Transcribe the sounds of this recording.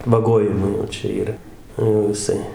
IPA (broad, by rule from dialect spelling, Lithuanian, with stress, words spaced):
ʋɐˈɡoːjɪmʊɪ jɛʊ ˈt͡ʃʲɛ iːˈrɐ jɛʊ jɪˈsɐɪ